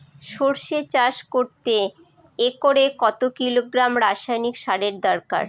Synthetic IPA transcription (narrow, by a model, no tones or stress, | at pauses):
ʃoɾʃet͡ɕaʃkoɾt̪eː | koɾekɔt̪okiloɡɾamɾaʃajnikʃaɾeɾd̪ɔɾka̰ɾ